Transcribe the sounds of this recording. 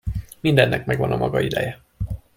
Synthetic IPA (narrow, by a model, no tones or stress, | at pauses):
mind̪ɛnːʔɛkmɛɡvɒnɒmʔɒɡɒid̪ɛjɛ